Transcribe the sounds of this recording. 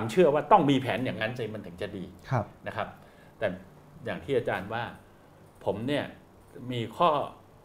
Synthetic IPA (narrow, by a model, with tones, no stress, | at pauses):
a˧mt͡ɕʰɯ˥˩ɐwaː˥˩t̪ɔ˥˩ŋmiː˧pʰɛː˩˦njaː˨˩ŋa˦˥nsiː˧˩ma˧nt̪ʰɯ˩˦ŋt͡ɕa˨˩diː˧na˦˥kʰa˦˥p̚ | t̪ɛː˨˩ | jaː˨˩ŋt̪ʰiː˥˩ʔa˧t͡ɕaː˧nwaː˥˩ | pʰo˩˦mni˥˩ɐ | miː˧kʰɔː˥˩